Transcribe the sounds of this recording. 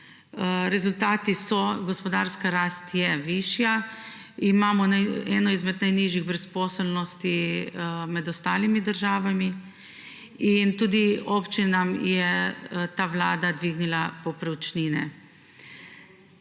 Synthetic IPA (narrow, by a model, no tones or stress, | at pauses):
ɾɛzult̪aːt̪isɔɡɔspɔd̪aːɾskaɾaːst̪jɛʋiʃja | imaːmɔnaɛnɔizmɛd̪najniʒiɣbɾɛspɔːsɛlnɔst̪i | mɛd̪ɔst̪aːlimid̪əɾʒaːʋami | int̪uːd̪iopt͡ʃinamjɛt̪aːʋlaːd̪ad̪ʋiɡnilapɔpɾɛwt͡ʃninɛ̰